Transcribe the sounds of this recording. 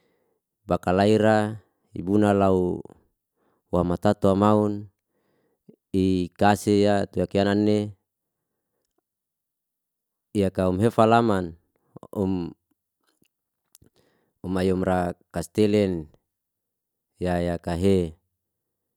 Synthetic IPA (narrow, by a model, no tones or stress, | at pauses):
bakalaiɾa | ḭbunalau | wamat̪at̪uamaun | ikasejat̪uakiananːe | ijakaumɦefalaman | um | umajɔmrakast̪elɛn | jajakaɦe